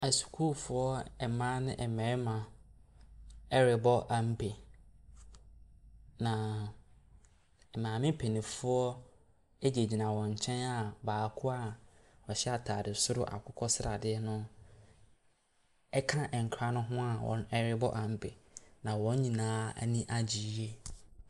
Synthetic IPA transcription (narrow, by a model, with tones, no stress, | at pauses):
a˨su̥˨kʰu˦lfʊ˦ɔ˦ɛ˨mãː˦nɪ̃˦ʔɛ˨mɛ̃˨˦mã˨ | ɛ˦ɾɪ˨bɔ˦ʔa˨m̩˦bʰe˨ | nã˨ | ɛ˨mãː˨mɪ̃˦pʰe˨nĩ˨fʊ˦ɔ˦ | e˦d͡ʑe˨d͡ʑi˨nã˨wɔ̃˨ɲ̩˨t͡ɕʰɛ̃˦na˨baː˨kʰʊ˦a˨wɔ˨ɕɛ˦a˨tʰa̰ː˨dɪ˨sʊ˦ɾʊ˦ʔa̰˨kʰʊ˦kʰɔ˦sɾa˨dɪ˦ɛ˦nʊ̃˦ | ɛ˦kʰã˦ʔɛ˨ŋ̩˨kʰɾa˦nʊ̃˦ɦʊ̃˦a˨wʔɔ̰̃˨nɛ˦ɾɪ˦bɔ˦ʔa˨m̩˦bʰe˨nã˨wɔ̃˦ɲ˦ɲĩ˨nãː˦æ̰˨nĩ˦ʔa˦d͡ʑi˨˦e˦